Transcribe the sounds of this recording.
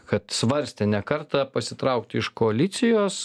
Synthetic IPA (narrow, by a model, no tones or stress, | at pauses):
kɐt̪sʋɐɾʲsʲt̪ʲɛnʲɛkɐɾt̪ɐpɐsʲɪt̪ɾɐʊkt̪ʲɪʃkoɐlʲɪt̪sʲɪjoːs